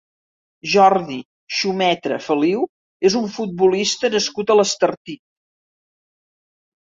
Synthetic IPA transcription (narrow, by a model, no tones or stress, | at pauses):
ʒɔrði | ʃumɛt̪ɾə̰fəliw | ezuɱfut̪̚bulist̪ənəskut̪ələst̪ərt̪it̪̚